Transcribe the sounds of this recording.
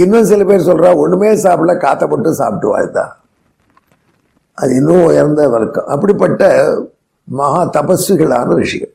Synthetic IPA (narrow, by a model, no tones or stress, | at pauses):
ɪnːɐ̃sɪlɐpeːɾsɔlɾaːɔnːɯmeːsaːpɪʈlɐkaːt̪ːɐpːɔʈːɯsa̰ːpɪʈːɯʋa̰ːjɯt̪ːã̰ː | ʔɐðɪnːũʊjɐɾnd̪ɐʋɐlɐkːɐ̰̃ʔɐ̰pːɐɽipːɐʈːɐ | mɐɦaːt̪ɐpɐsɯɣɐɭa̰ːnɐɾɪʂɪjɐ̰ɭ